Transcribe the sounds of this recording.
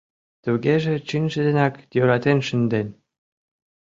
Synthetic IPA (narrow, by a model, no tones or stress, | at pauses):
t̪uɣeʒĕt͡ɕinʲʒə̆d̪enɑkjøɾɑt̪enʃə̆nd̪enʲ